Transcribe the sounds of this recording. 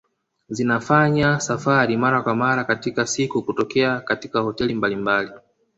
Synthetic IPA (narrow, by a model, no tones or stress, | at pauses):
zinafaɲasafaɾimaɾakwamaɾakatikasikukutɔkɛakatikahɔtɛlimbalimbali